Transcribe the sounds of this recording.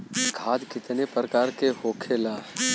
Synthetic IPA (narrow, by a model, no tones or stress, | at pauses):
ɡʰʱaːd̪kɪt̪nepɾəkaːɾkeɦoːkʰelaː